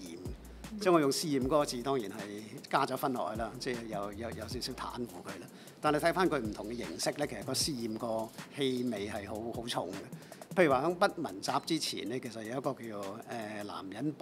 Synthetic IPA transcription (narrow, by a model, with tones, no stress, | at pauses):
iː˨m | t͡sɛ˥˩ŋɔː˨˧jʊ˨ŋsiː˧˥jiː˨mkɔː˨˥kɔ˧t͡siː˨˧t̪ɔː˥ŋjiː˨˩nɦɐ˨jkaː˥t͡ʃɔː˨˥fɐ˥nlɔ̰ː˨˩jlaː˥t͡sɛː˥˧jɐ˨˧wjɐ˨˧wjɐ˨˧wsi˨˥wsiː˨˥wt̪ʰa̰ː˨˥nfuː˨˩kʰɵ˨˧ɥlaː˥ | t̪aː˨nle˧t̪ʰɐ˨˥faː˥nkʰɵ˧ɥm̩˨˩t̪ʰʊ˨˩ŋkɛ˧jɪ̰˨˩ŋsɪ˥k̚lɛː˥kʰsɐ˨˩kɔː˧siː˥jiː˨mkɔː˧he˧jme˨jhɐ˨jɦo˨˥who˨˥wt͡ʃʰʊ̰˨˩ŋɡɛ˧pʰe˧jy˨˩waː˨hœː˨˥ŋpɐ˥t̚mɐ̰˨˩nt͡saː˨˩p̚t͡siː˥t͡sʰḭː˨˩nlɛː˥kʰe˨˩sɐ˨t̚jɐ˨˧wjɐ˥kɔː˧kiː˧t͡so˨˧wɛː˨˩la̰ː˨˩mjɐ˨˥np